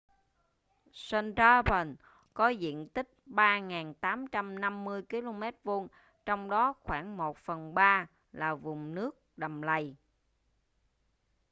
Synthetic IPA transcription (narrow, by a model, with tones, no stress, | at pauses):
sə˧nta˧pə˨˩n | kɔ˨˦zḭ˧˨ənt̪ï˦˥k̚ɓaː˧ŋaː˨˩nt̪aː˨˦mt͡ɕa˧mna˧mːɨ˧əjki˧lo˧mɛ˦˥t̚vo˧n | t͡ɕɔ˧wŋ͡mɗɔ˨˦xwaː˧˩ŋmo˨˩t̚fə˨˩nɓaː˧ | laː˨˩vʊ˨˩ŋ͡mnɨ˦˥ək̚ɗa˨˩mla˨˩j